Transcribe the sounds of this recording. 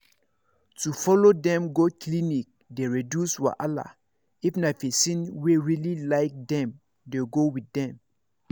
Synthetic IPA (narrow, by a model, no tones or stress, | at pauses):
tufɔlodɛ̃mɡoklinik̚deɹidjuswa̰ʔala̰ | ifnafesĩnweɹililaɪk̚dɛ̃m | deɡowiθdɛ̃m